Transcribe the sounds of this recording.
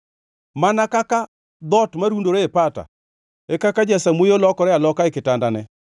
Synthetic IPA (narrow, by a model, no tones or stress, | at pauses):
manakaka | d̪ɔtmaɾundoɾeepata̰ | ekakad͡ʒɛsamojolɔkɔɾɛalɔkaekɪtandanɛ